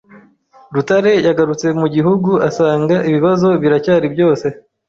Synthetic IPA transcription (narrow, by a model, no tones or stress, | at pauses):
ɾutaɾe̞jaɡaɾut͡se̞muɟiɦuɡuasaːŋɡaʔiβiβazo̞βiɾacaːɾibjo̞ːse̞